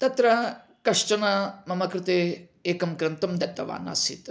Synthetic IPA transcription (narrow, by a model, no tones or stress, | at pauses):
t̪ɐt̪ɾɐ | kɐʂʈɐnɐmɐmɐkɾɪt̪eː | eːkɐmkɾɐnt̪ɐmd̪ɐt̪ːɐʋa̰ːna̰sḭt̪